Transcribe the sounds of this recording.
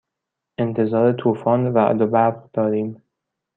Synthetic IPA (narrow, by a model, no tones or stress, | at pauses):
ʔent̪ʰe̞zɒːɾet̪ʰuːfɒːnvæɒ̰d̪obæbd̪̥ɒːɾiːm